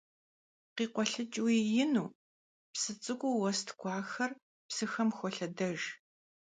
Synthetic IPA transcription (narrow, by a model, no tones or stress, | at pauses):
qiːqʷɔɬɨt͡ʃʼwiːjɪnuː | psɨt͡sʼɨɡʷʼuwɔstʰɡʷɑːxɐr | psɨxɐmxʷɔɬɐdɐʒ